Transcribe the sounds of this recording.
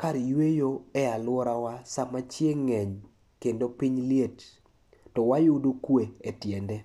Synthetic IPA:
kaɾjwejoɛalwɔɾawasamat͡ʃjeŋɛɲ | kendopiɲlijet | tɔwajudokweetjɛndɛ

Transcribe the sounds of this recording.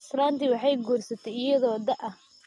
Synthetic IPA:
sɾaːnt̪ʰɪwɑħɑjɡuːrsɐt̪ʰɛjɪjɐðɔːd̪ɐʔɐh

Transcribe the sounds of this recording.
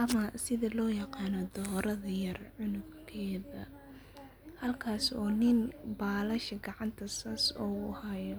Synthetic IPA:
ʔɐmɐsɪðɐlɔːjɑqɑːnɔd̪ɔːɾɐðɐjɐrʕʊnʊɡkʰɛːðɐ̰ | hɐlkʰaːsɔːnɪnbaːlɐʃɐɡɑʕɑnt̪ʰɐsɐsɔhajɔ

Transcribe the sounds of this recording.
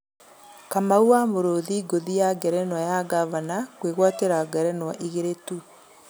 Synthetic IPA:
kamauamoɾoðiɡoðijaɡɛɾɛnwajaɡaβanakweɣwateɾaɡɛɾɛnwaʔiɣeɾetu

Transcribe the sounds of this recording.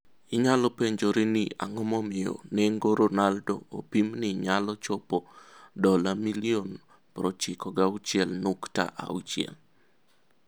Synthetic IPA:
ɪɲalɔpeɲd͡ʒoɾɪnɪa̰ŋɔmɔmɪjo̰nɛŋɡoɾonaldo̰opimnɪɲalɔt͡ʃɔpɔdɔlamilion | pɾɔt͡ʃɪkɔɡaut͡ʃjɛlnukta̰ʔa̰ṵt͡ʃjɛ̰l

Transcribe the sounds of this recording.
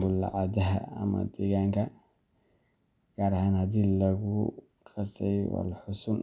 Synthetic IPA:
bʊlɑ̰ʕɑd̪ɐɦɐ̰ɐ̰mɐ̰d̪ɛːɣaːŋkʰɐ | ɡ̥aːɾɐhaːnhɐd̪iːlɐɣʊ | qɑsɛjwɔ̰ːlħʊsʊn

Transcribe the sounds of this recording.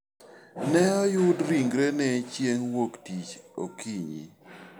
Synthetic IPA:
nɛɔjʊdɾiŋɡɾɛnɛt͡ʃjeŋwoktit͡ʃo̰kiɲḭ

